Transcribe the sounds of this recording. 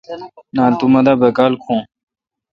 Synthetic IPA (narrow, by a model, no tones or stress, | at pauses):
naːlt̪umɐd̪abɐkaːlkʰõː